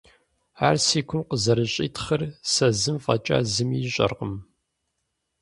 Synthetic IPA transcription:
aːrsiːkʷʰʊmqəzɐɾɨɕʼiːtʰχərsɐzɨmfʼɐt͡ʃʼa̰ːzɨmiːɕʼɐ̰rqəm

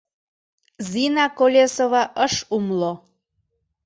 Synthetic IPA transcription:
zinakolʲesovaʔəʃumlo

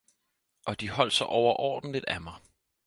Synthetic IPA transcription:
ʔɒ̽d̥ihɒ̽l̰d̥sɒʔɒʊɐʔɒ̰ːd̥n̩lid̥æmɑ̈ɪ

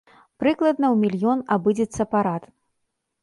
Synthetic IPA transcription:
pɾɨklˠɐd̪nɐwmʲilʲjɔnabɨd͡zʲɛt̪sːɐpaɾat̪

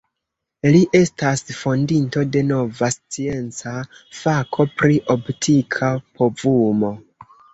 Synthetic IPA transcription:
liʔe̞stasfo̞ndinto̞de̞no̞vast͡sie̞nt͡safakʰo̞pɾiʔoptʰikʰapʰo̞vumo̞

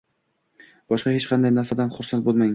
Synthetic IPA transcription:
b̥ɒʃqɑhet͡ʃqʰɑnd̪ajnaɾsad̪anχʊɾsant̪̚bolˠmaŋ

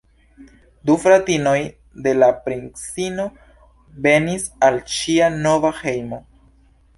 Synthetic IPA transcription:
dufɾatino̞j | de̞lapɾinsino̞ | ve̞nisalʃiano̞vahe̞jmo̞

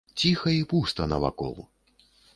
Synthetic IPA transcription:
t͡sʲixɐipust̪ɐnɐva̰kɔ̰lˠ

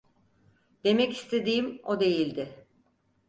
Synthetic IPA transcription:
d̪̥e̞mɛcist̪ʰe̞d̪iːmo̞d̪e̞jilʲd̪ɪ

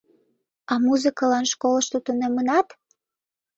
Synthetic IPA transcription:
ɑmuzɨkɑlɑnʃkoləʃt̪ut̪unemənɑt̪

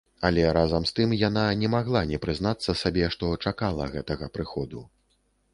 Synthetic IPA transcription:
ɐlʲɛɾazɐmst̪ɨmjananʲɛmaɣlˠanʲɛpɾɨzn̪at̪sːɐsabʲɛʂt̪ɔt͡ʂakalˠɐ̰ɣɛt̪ɐɣɐpɾɨxɔd̪u

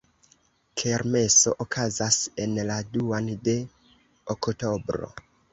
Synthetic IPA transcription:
kʰeɾme̞so̞ʔokʰazasenladuande̞ | okto̞bɾo̞̰

